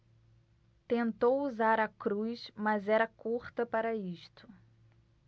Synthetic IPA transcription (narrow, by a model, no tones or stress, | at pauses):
t̪ẽnt̪owuzaɾɐkɾujsmɐzɛɾɐkuɾt̪ɐpaɾɐiʃt̪ʊ̥